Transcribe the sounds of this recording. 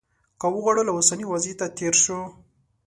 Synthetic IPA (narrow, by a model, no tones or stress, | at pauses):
kawəɣwɑɽolaʊsaniwazit̪at̪eɾʃo